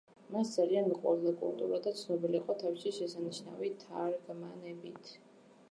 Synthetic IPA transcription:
masd̪zalianmiqʼwɛ̰vd̪akʼṵlt̪ʼṵɾad̪at̪sʰnɔbiliːqʼɔt̪ʰafʃiʃɛsaniʃna̰vit̪ʰaɾɡmanɛbit̪ʰ

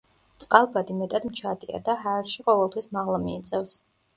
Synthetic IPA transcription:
t̪sʼqʼalˠbad̪imɛt̪ʼad̪mt͡ʃʰad̪ʼia̰d̪aɦaɾʃiqʼɔvɛlˠt̪ʰwismaʁlˠamiːt̪sʼɛfs

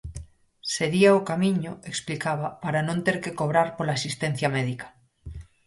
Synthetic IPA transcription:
se̞ɣiaokamĩɲoeksplikaβapaɾanõnt̪eɾkekoβɾaɾpolaːsist̪ẽn̟θjameðikḁ

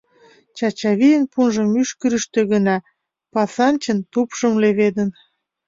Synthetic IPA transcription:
t͡ɕɑt͡ɕɑβijənpunʒə̆myʃkəɾəʃt̪ø̆ɣənɑ | pɑsɑnt͡ɕə̆nt̪upʃəmleβed̪ən

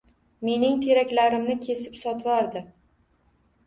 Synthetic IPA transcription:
me̞nɪŋt̪ʰe̞ɾakʲlaɾɪmnɪkʲʰe̞sɪpsɒt̪ʰvɒɾd̪ɪ

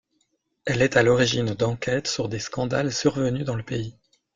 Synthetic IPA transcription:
ɛlɛt̪alɔʁiʒind̪ɑ̃kʲɛt̪syʁd̪eskɑ̃d̪alsyʁvənyd̪ɑ̃ləpei

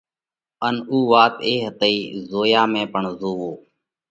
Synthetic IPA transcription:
ənuːʋaːt̪ḛːɦət̪əiːzoːjaːmẽːpəɳzoːʋoː

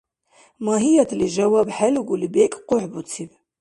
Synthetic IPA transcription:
maːɦijat̪ʰliʒɐwabħaluɡʷulibekʼqʊħbut͡sʰib

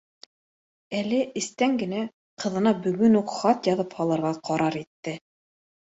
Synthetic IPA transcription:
ælɘʔɘ̆st̪æŋɡɘ̆næ | qɤ̆ðɤ̆nɑbɵ̆ɡɵnuqχɑt̪jɑðɤphɑlˠɤ̆ɾʁɑqʰɑɾɑɾit̪ːɘ

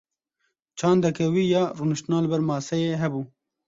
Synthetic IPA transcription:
t͡ʃʰɑːnd̪ɐkʰɛwiːjɑːrunɨʃt̪naːlɨbɛɾmɑːsɛjeːɦɛbuː

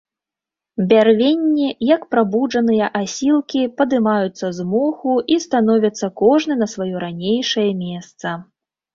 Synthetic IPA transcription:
bʲarvʲenʲːijɐkpɾabuʐɐnɨjɐʔasʲilˠkʲipɐd̪ɨmajut̪sːɐzmɔxuʔist̪anɔvʲɐt̪sːɐkɔʐnɨnɐsvajɔɾanʲejʂɐjɐmʲɛst̪sɐ

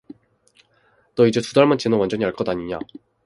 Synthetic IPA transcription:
t͈ʌid͡ʑetudaɭmant͡ɕenowand͡ʑʌɲiaɭk͈ʰʌdaɲiɲa̰

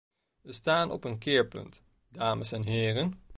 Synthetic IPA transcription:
ʋəstaːnɔ̰pənkɪːɹpɵ̰nt | daːməsɛnɦɪːrən

